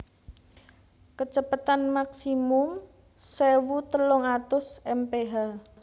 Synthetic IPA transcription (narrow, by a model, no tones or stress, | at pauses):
kət͡ʃəpət̪anmaksimʊm | sewut̪əlʊŋat̪ʊsɛmpeɦa